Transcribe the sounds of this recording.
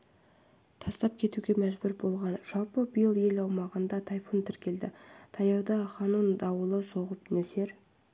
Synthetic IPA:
t̪ʰɑst̪ɑp̚kʲʰe̞t̪uɡʲe̞mæʒbʏɾbo̞lˠʁɑnʒ̥ɑlˠpəbəjəlˠje̞lɑwmɑʁənd̪ɑt̪ʰɑjfunt̪ʰɪɾkʲe̞ld̪ɪt̪ʰɑjɑwd̪ɑχɑnund̪ɑwəlˠəso̞ʁəp̚nɵse̞ɾ

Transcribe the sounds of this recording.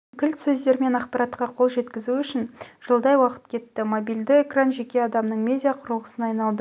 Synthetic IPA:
kʲʰɪlt̪sɵzd̪e̞ɾme̞nɑqpɑɾɑt̪qɑqʰo̞lˠʒe̞t̪kʲɪzuʏʃɪnʒ̥əlˠd̪ɑjwɑqə̥t̪kʲʰe̞t̪ːɪmobijld̪ɪekranʒe̞kʲe̞ɑd̪ɑmnəɴmʲe̞dʲijaqʰʊɾlˠʁəsənɑjnɑlˠd̪ə

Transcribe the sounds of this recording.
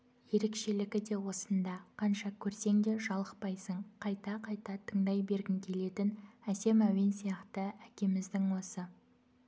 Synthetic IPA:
je̞ɾe̞kʃe̞lɪɡʲɪd̪e̞wo̞sənd̪ɑqʰɑnʃɑkʲʰɵɾse̞ŋd̪e̞ʒɑlˠəqpɑjsəɴqʰɑjt̪ɑqʰɑjt̪ɑt̪ʰəɴd̪ɑjbe̞ɾɡʲɪŋkʲʰe̞le̞t̪ɪnæse̞mæwe̞nsijɑqt̪əækʲe̞mɪzd̪ɪŋwo̞sə

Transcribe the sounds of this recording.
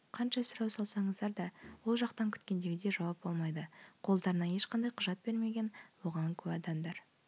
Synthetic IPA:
qʰɑnʃɑsʊɾɑwsɑlˠsɑɴəzd̪ɑɾd̪ɑwo̞lˠʒɑqt̪ɑŋkʲʰʏt̪kʲe̞nd̪e̞ɡʲɪd̪e̞ʒɑwɑp̚bolˠmɑjd̪əqʰo̞lˠd̪ɑɾənɑje̞ʃqɑnd̪ɑjqʰʊʒɑt̪̚be̞ɾme̞ɡʲe̞nwo̞ʁɑŋkʲʰɵbɑd̪ɑmd̪ɑɾ

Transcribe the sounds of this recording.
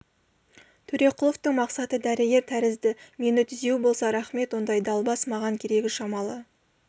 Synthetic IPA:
t̪ʰɵɾe̞qʰʊlˠo̞ft̪əɴmɑqsɑt̪əd̪æɾɪɡʲe̞ɾt̪ʰæɾɪzd̪ɪme̞nɪt̪ʰʏze̞wɪbo̞lˠsɑɾɑχme̞t̪wo̞nd̪ɑjd̪ɑlˠbɑsmɑʁɑŋkʲʰe̞ɾe̞ɡʲɪʃɑmɑlˠə

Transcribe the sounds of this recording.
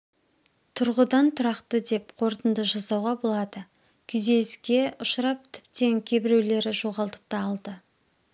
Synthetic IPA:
t̪ʰʊɾʁəd̪ɑnt̪ʰʊɾɑqt̪əd̪e̞pqʰo̞ɾt̪ənd̪əʒɑsɑwʁɑbo̞lˠɑd̪ə | kʲʰʏze̞skʲe̞ʔʊʃəɾɑp̚t̪ʰɪ̥p̚t̪e̞ŋkʲʰe̞bɪɾe̞wle̞ɾɪʒo̞ʁɑlˠt̪ə̥p̚t̪ɑːlˠd̪ə

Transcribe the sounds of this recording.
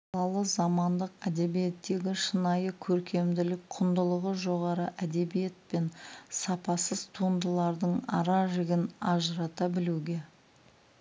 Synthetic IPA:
ɑlˠɑlˠəzɑmɑnd̪əqæd̪e̞bije̞t̪ːe̞ɡʲɪʃənɑjəkʲʰɵɾkʲʰe̞md̪ɪlɪkqʰʊnd̪əlˠəʁəʒo̞ʁɑɾəʔæd̪e̞bije̞t̪̚pe̞nsɑpɑsəzt̪ʰuənd̪əlˠɑɾd̪əɴɑ̰ɾɑʒɪɡʲɪnɑʒəɾɑt̪ɑbɪluɡʲe̞

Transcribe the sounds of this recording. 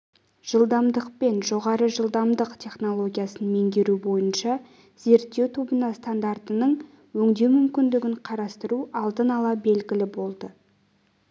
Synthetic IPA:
ʒ̥əlˠd̪ɑmd̪əq̚pe̞nʒo̞ʁɑɾəʒəlˠd̪ɑmd̪əqt̪ʲʰe̞χno̞lˠo̞ɡʲijasənme̞ŋd̪ʲe̞ɾubo̞jənʃɑ | z̥e̞ɾt̪ːe̞wt̪ʰobənɑst̪and̪art̪ənəɴ | wɵŋd̪e̞mʏmkʲɪnd̪ɪɡʲɪɴqʰɑɾɑst̪əɾuɑlˠd̪ənɑlˠɑbe̞lɡʲɪlɪbo̞lˠd̪ə

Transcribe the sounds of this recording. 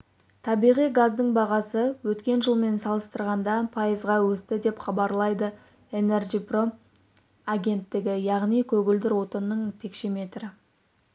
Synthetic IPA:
t̪ʰɑbijʁijɡazd̪əɴbɑʁɑsəwɵt̪kʲe̞nʒəlˠme̞nsɑlˠəst̪əɾʁɑnd̪ɑpʰɑjəzʁɑwɵst̪ɪd̪e̞pχɑbɑɾlˠɑjd̪ə | ene̞rʒipro | aɡʲe̞nt̪ːɪɡʲɪjɑʁnijkʲʰɵɡʲɪld̪ɪɾwo̞t̪ənːəɴt̪ʰe̞kʃe̞me̞t̪ɾɪ

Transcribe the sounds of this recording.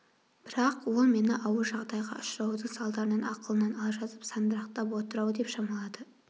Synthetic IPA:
b̥ɪɾɑqwo̞lˠme̞nɪʔɑwəɾʒɑʁd̪ɑjʁɑ̰ʔʊʃɾɑwd̪əɴsɑlˠd̪ɑɾənɑnɑqəlˠənɑnɑlˠʒɑzəpsɑnd̪əɾɑqt̪ɑpwo̞t̪əɾɑwəd̪epʃɑmɑlˠɑd̪ə

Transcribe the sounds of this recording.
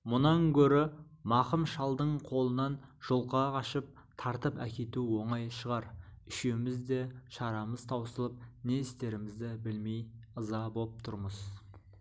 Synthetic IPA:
mʊnɑŋkʲʰɵɾɪmɑqəmʃɑlˠd̪əɴqʰo̞lˠənɑnʒ̥olˠqɑɑʃəp̚ | t̪ʰɑɾt̪əpæ̰kʲe̞t̪uwo̞ɴɑjʃəʁɑɾʏʃemɪzd̪e̞ʃɑɾɑməz̥t̪ʰɑwsəlˠəp̚ne̞ɪst̪e̞ɾɪmɪzd̪ɪbɪlmejəzɑbo̞lˠp̚t̪ʰʊɾməz̥

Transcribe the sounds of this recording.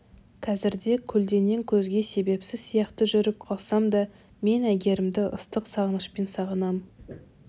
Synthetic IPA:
kʰɑzɪɾd̪e̞kʲʰʏld̪e̞ne̞ŋkʲʰɵzɡʲe̞se̞be̞psɪzsijɑqt̪əʒʏɾɪp̚qʰɑlˠsɑmd̪ɑ | me̞næɡʲe̞ɾɪmd̪ɪʔə̰st̪əqsɑʁənəʃpe̞nsɑʁənɑm

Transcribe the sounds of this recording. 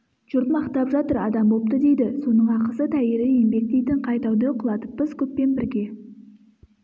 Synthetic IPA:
ʒ̥ʊɾt̪əmɑqt̪ɑpʒɑt̪əɾɑd̪ɑmbo̞p̚t̪əd̪e̞jd̪ɪso̞nəɴɑqəsət̪ʰæjeɾɪe̞mbe̞k̚t̪ejt̪ɪɴqʰɑjt̪ɑwd̪əqʰʊlˠɑt̪əpːəzkʲʰɵpːe̞nbɪɾɡʲe̞

